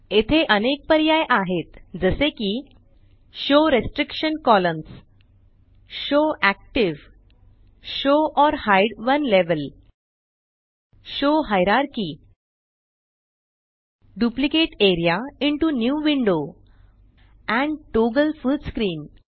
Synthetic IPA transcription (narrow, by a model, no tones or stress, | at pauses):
et̪ʰeʔənek̚pəɾjajʔaɦet̪d͡zəsekiː | ɕoɾesʈɾikɕənkɔləns | ɕoʔæk̚ʈiʋ | ɕoʔɔɾhajɖʋənleʋəl | ɕoɦajɾaɾkiː | ɖuplikeʈeɾjaiɳʈunjuːʋiɳɖo | ɛ̃ɳɖʈoɡəlfuɖskɾiːn